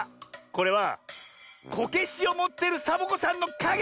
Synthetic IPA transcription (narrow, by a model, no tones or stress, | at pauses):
ko̞ɾe̞βa | kʰo̞ke̞ɕio̞mo̞t̪ːe̞ɾɯ̟sabokosãnːo̞kaɡ